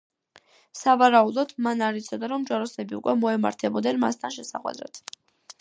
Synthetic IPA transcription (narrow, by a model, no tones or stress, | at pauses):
savaɾaud̪ɔd̪manaɾit̪sʰɔd̪aɾɔmd͡ʒwaɾɔsɛbiṵkʼwɛmɔɛma̰ɾt̪ʰɛbɔd̪ɛnma̰st̪ʰanʃɛsa̰χʼwɛ̰d̪ɾa̰t̪ʰ